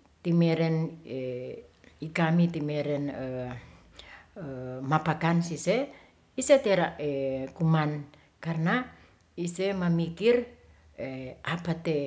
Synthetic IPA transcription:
t̪imeɾɛne | ikamit̪imeɾɛnə | mapakansise | iset̪eɾaʔekuman | karna | isemamikir | eʔapat̪e

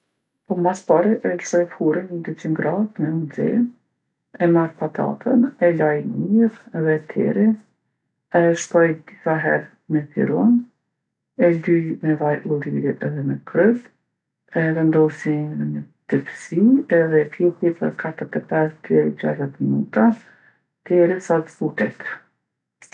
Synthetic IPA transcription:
pɔmaspaɾiʔɛlsɔjfuɾinəd̪ɛt͡ʃiŋɡɾat̪mɛuzɛ̰n | ɛmaɾpat̪a̰t̪ʰənɛlajmiɾɛðɛt̪ʰɛ̰ɾi | ɛʃkɔjd̪iθaɦɛɾ | mɛfḭɾɔn | ɛlyjmɛvajʔulˠiɾiʔɛðɛmɛkɾət̪ | ɛvɛnd̪ɔsinə | d̪̥ɛpsiɛðɛfiltipəɾkʰat̪əɾt̪ɛpɛst̪ɛd͡ʑa̰zɛt̪minut̪a | t̪ɛɾisat̪fut̪ɛt̪

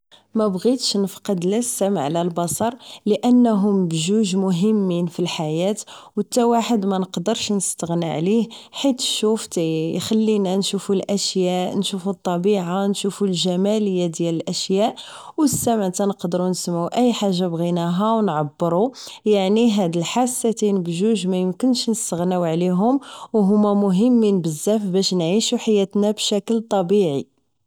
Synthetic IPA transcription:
mæbɣit̪ʃnəfqɑd̪ləsːæmʕlælbɑsˤɑɾˤləʔənːɦʊmbʒuʒmʊɦəmːinfilħajæt̪wət̪ːæwaħəd̪mænəqd̪əɾʃnəst̪əɣnḭʕlihħit̪ʃuft̪æjxælːinænʃufulʔæʃjæʔnʃufut̪ˤːɑbiʕanʃufulʒæmæləjːad̪jæləlʔæʃjæʔ | wəsːæmaʕt̪ænəqd̪əɾunsəmːuʔæjːħaʒːabɣinæɦæwnʕabːəɾujaʕniɦæd̪əlħasːæt̪inəbʒuʒmæjəmkənʃnəst̪əɣnæwʕliɦʊmwɦʊmːæmʊɦəmːinbəzːæfbæʃnʕiʃuħajːæt̪næbʃækəlt̪ˤɑbiʕi

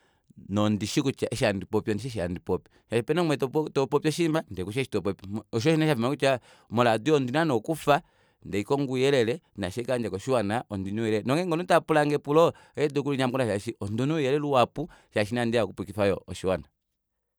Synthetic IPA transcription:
nɔndiʃikut͡ʃaɛʃiandipɔpiɔniʃ̬ɛʃ̬iandipɔpi̥ | ʃaʃipɛnɛmwɛttɔpɔpiɔʃimbandɛkuʃaʃi̥tɔpɔpiɔʃ̬ɔʃinaʃafimakut͡ʃa | mɔladiɔndinanɔkufa | ndɛikɔŋɡujɛlɛlɛnaʃɛkaɲd͡ʒakɔʃiwanaʔɔndinujɛlɛnɔŋɡɛŋɡɔnutapulaŋɡɛpulɔ | ɛdukuliɲamkunaʃaʃiʔɔndunujɛlɛluwapuʃaʃ̬inandiakupukifajɔʔɔʃiwana

